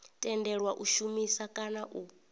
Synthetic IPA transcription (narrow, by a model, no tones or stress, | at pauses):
tʼɛndɛɺwaʔuʃumisakʼanaʔu